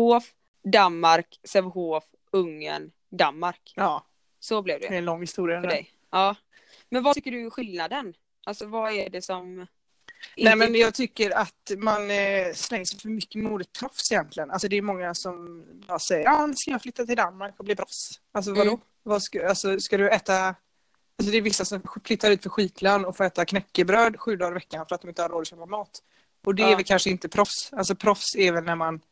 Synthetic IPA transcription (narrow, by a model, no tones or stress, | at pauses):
oːf | d̪anmaɾksɛvɦoːf | ɵŋːə̰n | d̪anmaɾkɑː | sɔblɪvd̪ɛ̰ɛɛnlɔŋːhɪst̪uːɾɪafəɖɛ̰j | ɑː | mɛnvat̪ʰʏkːəɖɵɧɪlnad̪ən | ʔalsɔvaɛɖɛsɔm | nɛmɛnjɑːɡt̪ʰʏkːəɾat̪manslɛŋːəsʂɛjfœɾmʏkːəmuːd̪ət̪ʰːɾɔfsɪjɛnt̪ʰlɪɡəna̰lsɔd̪ɛjmɔŋːasɔmbɑːsɛjːəanskajɑːflʏt̪ːat̪ɪld̪anmaɾkɔbliːpʰɾɔfsals̬ɔvad̪ɔ | vaskalsɔskad̪ɵɛːt̪a | als̬ɔd̪ɛːɾvɪsːasɔmflʏt̪ʰːaɾʉ̟ːt̪fœɾɧiːt̪ʰlanɔfoːɛːt̪akʰnɛkːəbɾøːd̪ɧʉ̟ːd̪ɑːɾɪvɛkːanfœɾat̪d̪ɔmɪnt̪əhaɾoːd̪əʃœːpamɑːt̪ | ʔɔd̪ɛɛɾvɛlkʰanʂəɪnt̪əpʰɾɔfsals̬ɔpʰɾɔfsɛːvɛlnæɾman